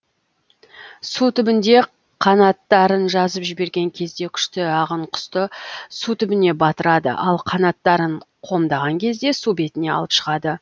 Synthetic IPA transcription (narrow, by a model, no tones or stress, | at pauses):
sut̪ʏbɪnd̪e̞ | qʰɑnɑt̪ːɑɾənʒɑzəpʒɪbe̞ɾɡʲe̞ŋkʲʰe̞zd̪e̞kʲʰʏ̥ʃt̪ɪɑʁəɴqʰʊ̥st̪əsut̪ʰʏbɪne̞bɑt̪əɾɑd̪ə̰ʔɑlˠqʰɑnɑt̪ːɑɾəɴqʰo̞md̪ɑʁɑŋkʲʰe̞zd̪e̞sube̞t̪ɪne̞ɑ̰lˠəpʃəʁɑd̪ə